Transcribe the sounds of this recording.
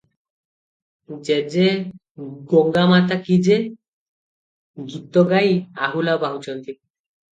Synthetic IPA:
d͡ʑed͡ʑe | ɡoŋɡamat̪akid͡ʑe | ɡit̪ːoɡajaɦulabaɦut͡ʃʰɔnt̪i

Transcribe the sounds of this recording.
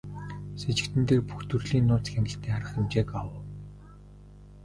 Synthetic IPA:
set͡ɕɪ̆kt̪ɘ̆nt̪eːrpuxt̪ɵrɮiːnːʊːt͡s̆xæŋɡɪ̆ɬt̪ʰeːŋχaɾə̆χemt͡ɕeːkawʊː

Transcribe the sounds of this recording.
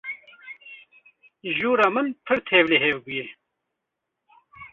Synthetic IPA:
ʒuːɾaːmɨnpʰɨɽt̪ʰeːvleɦeːwɡuje

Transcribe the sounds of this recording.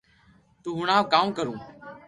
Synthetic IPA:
t̪uːɦʊɳãːʋkaːmkəɾũː

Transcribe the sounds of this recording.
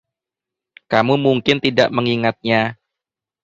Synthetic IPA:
kamumuŋkɪnt̪ida̰ʔməŋiŋat̪̚ɲa

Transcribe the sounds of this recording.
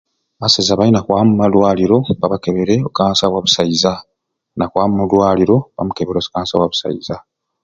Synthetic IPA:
asezaβainakwaːmumalwaːliɾo̞βaβakeβeɾe̞okaːnsaβwaβu̥saiza | nakwaːmumulwaːliɾo̞βa̰mukeβeɾekaːnsaβwaβu̥sa̰iza

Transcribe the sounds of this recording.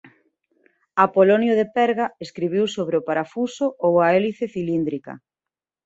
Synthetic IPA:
apolonjoðepɛɾɣaeskɾiβiwsoβɾɪopaɾafusʊowaɛliθeθilind̪ɾikɐ̰

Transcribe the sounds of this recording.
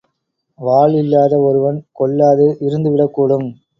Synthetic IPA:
ʋaːɭɪlːaːðɐɔɾɯʋɐnkɔɭːaːðɯʔɪɾɯnd̪ɯʋɪɽɐkːuːɽɯm

